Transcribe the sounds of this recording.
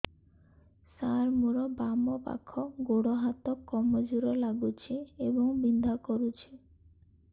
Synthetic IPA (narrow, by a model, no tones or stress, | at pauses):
saɾmuɾɔbamɔpa̰kʰɔɡoɽɔɦat̪ɔkːɔmɔd͡ʒuɾɔlaɡut͡ʃʰeebɔŋbind̪ʱakɔɾut͡ʃʰe